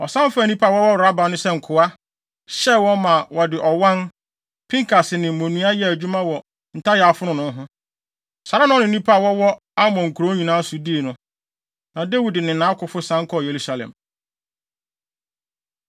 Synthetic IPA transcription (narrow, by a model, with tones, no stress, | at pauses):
ɔ˨sã˦fa˨nĩ˦pʰa˦˨wɔ˦wɔ˦˨ɾa˦ba˨nʊ̃˦sɛ˦ŋ̩˨kʰʊ˨a˦ | ɕɛ˦wɔ̃˦mã˨wɔ˨dɪ˨ʔɔ˨wã˦n | pʰĩ˦ŋkʰa˨sɪ˨nɪ̃˨mõ˨nũ˦a˦jɛ˦æ˨d͡ʑᶣu˦mã˦wɔ˨ | n̩˨tʰa˦jɛ˨a˨fʊ˦nʊ̃˦nʊ̃˦ɦʊ̃˦ | sa˨ɾa˦nʊ̃˦nɪ̃˨n˦nĩ˦pʰa˦˨wɔ˦wɔ˦ | a˦mɔ̃˨ŋ̩˨kʰu˨ɾo˦ɲĩ˨nãː˦su˨diː˦˨nʊ̃˦ | nã˨de˦wi˨dɪ˨nɪ̃˨nãː˨˦kʰʊ˨fʊ˦sã˨˦ŋ̩˦kʰɔ˦˨je˨ɾu˦sa˨lɛ̰̃˨m